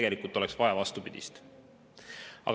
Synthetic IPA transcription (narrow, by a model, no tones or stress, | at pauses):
eɡelikult̪o̞leksvɑjɑvɑst̪upid̪̥ḭst̪ | ɑ̰ɡ